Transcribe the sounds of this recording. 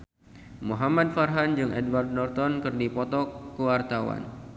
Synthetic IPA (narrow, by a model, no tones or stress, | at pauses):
muɦamad̚farɦand͡ʒɨŋɛ̰dwardnɔrt̪ɔnkɨrdipɔt̪ɔkəwart̪awa̰n